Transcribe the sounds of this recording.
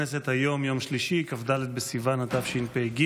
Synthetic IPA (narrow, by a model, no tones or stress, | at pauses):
eset̪hajo̞mjo̞mʃliʃikafd̪alet̪̚besivanat̪afʃinpeɡi